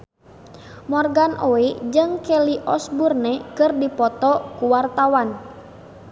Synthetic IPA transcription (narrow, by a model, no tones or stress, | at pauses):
mɔrɡanʔoed͡ʒɨŋkɛliʔɔsburnɛkɨrdipɔt̪ɔkuwart̪awan